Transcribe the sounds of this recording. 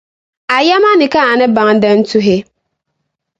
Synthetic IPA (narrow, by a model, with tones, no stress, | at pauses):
a˨jɛ˦ma˦nɪ̃˨ka˦a˨nɪ̃˦bã˨ŋ˦dɛ̃˦n˦tʰu˦ɦe˦